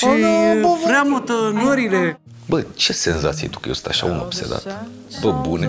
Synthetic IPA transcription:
ʃo | ɾeamot̪ənoɾile | bət͡ʃe̞se̞nzat̪sijḛt̪u̥kəjest̪aʃa̰uno̰pse̞̰d̪a̰t̪ | t̪ot̪̚bune

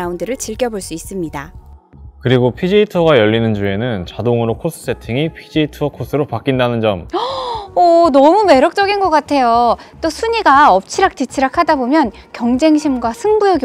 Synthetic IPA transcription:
aundɯɾɯɭt͡ɕiɭk͈jʌboɭs͈uis͈ɯmɲida | kɯɾiɡopʰid͡ʑeitʰʌɡajʌʎːinɯnd͡ʑue̞nɯnt͡ɕadoŋɯɾokʰos͈ʰɯ̥s͈ʰe̞tʰiŋipʰid͡ʑeitʰʌkʰos͈ʰɯɾopak͈indanɯnd͡ʑʌm | ʌnʌmume̞ɾjʌk̚t͡ɕ͈ʌɡinɡʌk͈atʰe̞jo | t͈osʰuɲiɡaʌp̚t͡ɕʰiɾak̚tit͡ɕʰiɾakʰadabomjʌn | kjʌŋd͡ʑe̞ŋɕʰimɡwasʰɯŋbujʌɡ

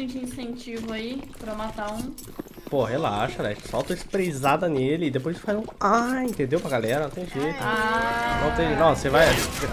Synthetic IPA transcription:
ẽd͡ʒĩsẽnt͡ʃivʊaipɾɐmat̪ãũ | poɦela̰ʃɐlɛʃpe̥sawt̪oispɾezad̪ɐnelɪːd̪epojzefal̃aĩnt̪ẽnd̪ewpɾɐɡalɛɾɐnɐ̃t̪ẽj̃ʒejt̪ʊnɐ̃t̪ẽj̃nɔ̃sevaj

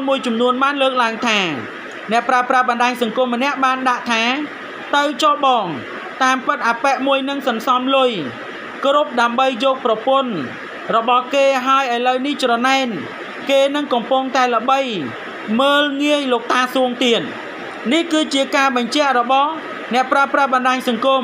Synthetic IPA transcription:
muəjt͡ɕɑmnuənɓaːnləːk̚laəŋt̪ʰaː | nɛ̆əʔpraəpraəɓɑnɗaːɲsɑŋkŭəmːənɛ̆əʔɓaːnɗaʔt̪ʰaː | t̪ɨwt͡ɕɑɓɑːŋ | t̪aːmpɨt̪̚ʔaːpɛʔmuəjnɨŋsɑnsɑmlʊj | krup̚ɗaəmɓəjjɔːk̚prɑpʊ̆ən | rɔɓɑhkeːɦaəjʔəəjləwniht͡ɕrɑnaɛn | keːnɨŋkɑmpʊŋt̪aɛləɓəj | məːlŋiəjloːk̚t̪aːsuəŋt̪iən̚ | nihkɨːt͡ɕiəkaːɓɑɲt͡ɕɛ̆əʔrɔɓɑh | nɛ̆əʔpraəpraəɓɑnɗaːɲsɑŋkum

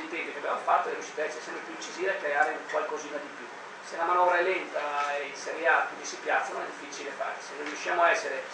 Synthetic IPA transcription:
int̪ɛnŋk̪jokeabjamofat̪ːoelusʃi̥t̪aɛsɛsɛmpɾepjuint͡ʃiziːvaekːɾeaːɾekwalkoziːnad̪ipju | selamanɔvɾaɛlːent̪aeiseɾjakinisipjat̪sːano̰nɛd̪ifːit͡ʃilefa̰ːɾsenːõriuʃːjaːmoaɛsːeɾe

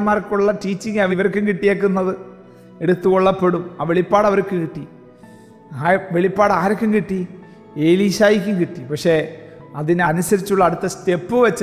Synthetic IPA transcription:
maːrkːuɭːɐʈiːt͡ɕːiŋɡɐʋiʋɐrkːumkiʈːijeːk̬ːunːɐðɨ | e̞ɽut̪ːuɣoɭːɐpːe̞ɽumaːʋe̞ɭipːaːɽɐʋɐrkːɨkiʈːi | aʋeɭipːaːɽaːɾokʲːumkiʈːi | e̞ːliːɕaːjikʲːumkiʈːipɐkʂe̞ | ɐðinɐnusɐɾit͡ɕːuɭːɐɽut̪ːɐst̪e̞pːɨʋɐt͡ɕː

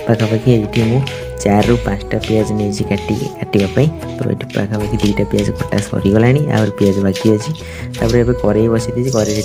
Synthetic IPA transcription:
pakʰapakʰiejʈʰimũ | t͡ʃaɾːupãt͡ʃʈapijad͡ʒnid͡ʒikaʈḭkaʈibapaĩ | pɔɾɔ̰ʈiba̰kʰapakʰid̪ujʈapijad͡ʒkɔʈa̰sɔ̰ɾiɡɔlaɽ̃ia̰bɔɾepijad͡ʒɔbakiɔt͡ʃʰi | t̪apɔɾeapkɔɾejbɔsit̪it͡ʃʰikɔɾes

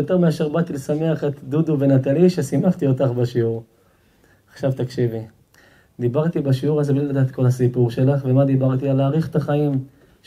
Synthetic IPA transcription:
jot̪eʁmeaʃe̞ʁbat̪ilesameaχet̪d̪ud̪uve̞nat̪aliʃesimaχt̪io̞t̪aχbaʃiuʁ | aχʃavt̪akʃivi | d̪ibaʁt̪ibaʃiuʁazblilad̪aːt̪kʰo̞lhasipuʁʃe̞laχve̞mad̪ibaʁt̪ialaːʁiχet̪aχaim

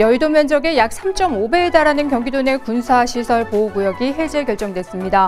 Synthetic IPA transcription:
jʌiɭdomjʌnd͡ʑʌɡe̞jak̚s͈ʰamt͡ɕ͈ʌmobe̞ːdaɾanɯnkjʌŋɡidone̞kunsʰaɕʰisʰʌɭpouɡujʌɡiɦe̞d͡ʑekjʌɭt͡ɕ͈ʌŋdwe̞s͈ɯmɲida

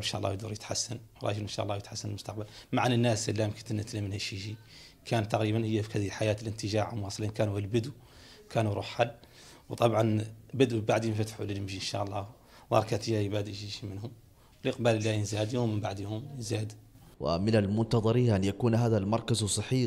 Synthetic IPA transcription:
ənʃa̰ʔlˤːɑ̰wjd̪uɾˤjət̪ħasːanwɾˤɑ̰ʒələnʃa̰ʔlˤːɑwjət̪ħasːanəlmʊst̪ɑq̚balmaʕanənːæsəlːamkət̪ənːət̪ləmnhæʃiʒi | kʰænt̪ːɑqɾiːbanhəjːafihæd̪ilħajaːt̪ələnt̪əʒaʕmwɑsˤlinkæːnuhəlbəd̪u | kʰanuɾˤṵħħalː | wt̪ˤɑbʕɑnbəd̪baʕd̪jənfæt̪ħuləlmʒiənʃa̰ʔəlˤːɑ | ðˤɑ̰ɾˤkat̪əjːajbæd̪ʒiʃimənhʊm | wləqbæləlːæjənzæd̪jumːəmbaʕd̪jumzad̪ | wɪ̰mɪnalmʊnt̪ɑðˤɑɾihʔanjakuːnɦaːðalmɑɾˤkazsˤɑħːi

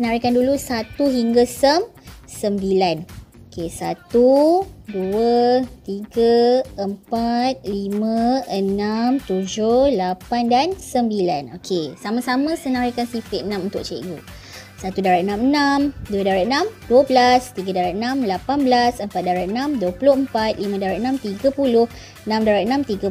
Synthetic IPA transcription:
sənaɾikandulusat̪uɦiŋɡasəm | səmbilanokesat̪uduət̪iɡaəmpat̪̚limãənamt̪ud͡ʒʊlapandansəmbila̰no̰kʰesamãsamə̃sənãɾakansifit̪̚ənãmunt̪ʊʔ̚t͡ʃḛɡu | sat̪udaɾaʔənãmənãmduədaɾaʔənãmduəblast̪iɡadaɾaʔənãmlapanbəlasəmpat̪̚daɾaənãmduəpulʊhəmpat̪̚limãdaɾaʔənãmt̪iɡapulʊh | ənãmdaɾaʔənãmt̪iɡa

